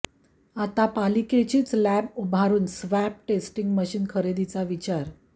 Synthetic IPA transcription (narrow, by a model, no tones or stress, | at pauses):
at̪apaliket͡ɕiːt͡slæbubʱaɾuːnsʋæp̚ʈesʈiŋɡməɕiːnkʰəɾed̪it͡saʋit͡ɕaɾ